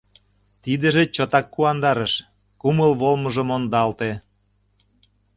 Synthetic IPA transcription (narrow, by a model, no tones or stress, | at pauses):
t̪id̪ə̆ʒĕt͡ɕɤt̪ɑkːuɑnd̪ɑɾəʃ | kuməlβolmɤ̆ʒɤ̆mond̪ɑlt̪e